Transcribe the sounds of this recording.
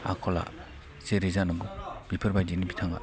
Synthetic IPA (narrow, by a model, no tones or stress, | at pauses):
a̰kʰɔla̰ | seɾizanabub̥ipʰɯɾbajdinibitʰaŋa̰